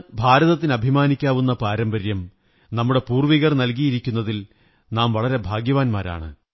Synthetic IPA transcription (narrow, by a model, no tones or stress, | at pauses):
bʱaːɾɐðɐt̪̬ːinɐbʱimaːnikʲːaːʋunːɐpaːɾɐmbɐɾjɐm | nɐmːuɽe̞puːrʋiɣɐrnɐlk̬ijiɾikʲːunːɐðil | naːmʋɐɭɐɾe̞bʱaːɡjɐʋaːnmaːɾa̰ːɳɨ